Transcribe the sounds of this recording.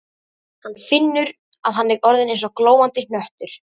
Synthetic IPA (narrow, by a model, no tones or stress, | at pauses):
hanfɪnːʏɾ | aðɦanːɪɾɔɾðɪnẽjnsɔkloːwant̪ɪnnœht̪ʏɾ̥